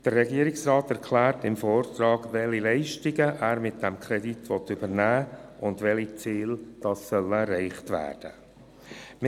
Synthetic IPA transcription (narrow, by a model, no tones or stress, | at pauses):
d̥əɾːɛɡiːəɾɪksɾɑːtɛɾkʰlæːɾtɪmfɔːrtɾɑːɡʋɛlilɛɪʃtɪɡəʔæːɾmɪt̚d̥ɛmkʰɾɛditʋɔt̪ʏbəɾnæːʊndʋɛlit͡siːld̥ɑsːœlɛrːɛɪχtʋæ̰ːrd̥ə | m